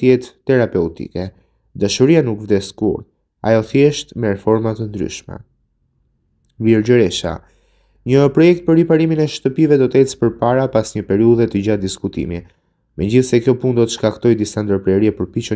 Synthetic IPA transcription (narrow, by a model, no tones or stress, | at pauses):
t̪jɛt̪ːɛɾapɛut̪ḭkɛ | d̪aʃuɾianukvd̪ɛskṵɾ | a̰jɔθjɛʃt̪mɛɾɛfɔɾmat̪ənd̪ɾy̰ʃmɛ̰ | viɾd͡ʑəɾɛʃa̰ | ɲəpɾɔjɛk̚t̪̚pəɾipaɾiminɛʃt̪əpivɛd̪ɔt̪ɛt͡spəɾpaɾapasɲəpɛɾiuðɛt̪əd͡ʑad̪iskut̪ḭmi | mɛɲɟiθsɛkjɔpund̪ɔt̪əʃkakt̪ɔjd̪isand̪əɾpɾɛɾiɛpəɾpit͡ʃə